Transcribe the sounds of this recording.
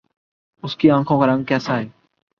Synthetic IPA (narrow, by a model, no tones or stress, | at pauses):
ʊskiːãːkʰõːkaːɾə̃ŋɡ̚kɛːsaːɦeː